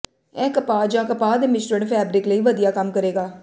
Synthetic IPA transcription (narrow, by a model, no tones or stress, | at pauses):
ɛ̃ːkəpaːd͡ʒãːkəpaːd̪eːmɪsʈəɳpʰɛːbɾɪkləiːʋəd̪ijaːkəmkəɾeːɡaː